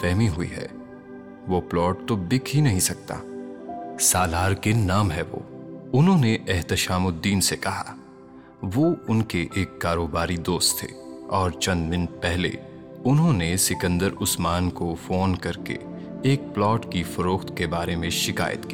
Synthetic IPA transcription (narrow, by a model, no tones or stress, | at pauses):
fɛɦmiɦʊḭɦɛ̰ː | ʋoplɔːʈ̚t̪ob̪ɪkʰɦinɐɦĩsɐk̚t̪a̰ː | saːlaːɾkenaːmɦɛʋo̰ːʊnɦõneʔɛɦt̪ɪʃaːmʊd̪iːnsekɐɦa̰ | ʋoːʊnkeʔeːkːaːɾoːbaːɾid̪oːst̪ʰːḛːɔːɾt͡ʃɐ̃nd̪mɪnpɛɦlḛ | ʊnɦõnesɪkə̃nd̪əɾʊsmaːnkofoːnkɐɾkḛ | eːk̚plɔːʈkifɐɾoːxt̪kebaːɾemẽʃɪka̰ːjə̰t̪kiː